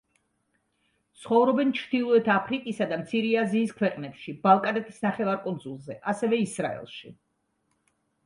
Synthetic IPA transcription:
t̪sʰχɔvɾɔbɛnt͡ʃʰɾd̪̥ilˠɔɛt̪ʰapʰɾikʼisad̪amt̪sʰiɾiaziːskʰwɛqʼnɛpʃibalˠkʼad̪ɛt̪ʰi̥snaχɛvaɾkʼund̪zulˠzɛʔasɛvɛisɾa̰ɛ̰lˠʃḭ

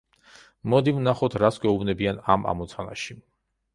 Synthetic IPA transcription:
mɔd̪ivnaχɔt̪ʰɾasɡɛubnɛbiana̰ma̰mɔt̪sʰana̰ʃi

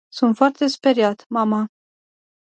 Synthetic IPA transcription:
sunt̪foart̪espeɾjat̪mama

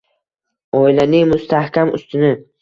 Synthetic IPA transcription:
ɒilanɪŋmʊst̪ʰahkʲʰamʊ̰st̪ʰɪnɪ

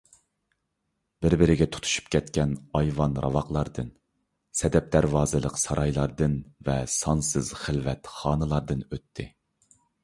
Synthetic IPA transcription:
bɪɾbɪɾɪɡʲɛt̪ʰu̥t̪ʰu̥ʃu̥pkʲʰɛt̪kʲɛnɑjvɑnɾɑ̰vɑqlˠɑɾd̪ɨn | sɛd̪ɛp̚d̪æɾvɑːzɨlˠəqsɑɾɑjlˠɑɾd̪ɨnvɛsɑnsɨz̥χɪlvɛt̪χɑːnɨlˠɑɾd̪ɨnøt̪ʰːɪ

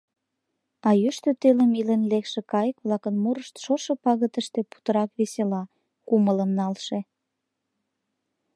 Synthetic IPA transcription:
ɑjyʃt̪øt̪øləmilenlekʃĕkɑjəkβlɑkənmuɾəʃt̪ʃoʃɤpɑɣət̪əʃt̪epu̥t̪əɾɑkβeselɑ | kumələmnɑlʃe

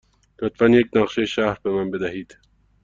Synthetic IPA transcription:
d̪̥ot̪fanjek̚nɑqʃeʃɑːhɾbemanbed̪aɦiːd̪

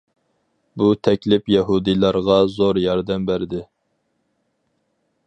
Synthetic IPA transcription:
but̪ʰɛkʲlɪpjɛɦud̪ilˠɑɾʁɑzoɾjɑɾd̪ɛmbæɾd̪ɪ

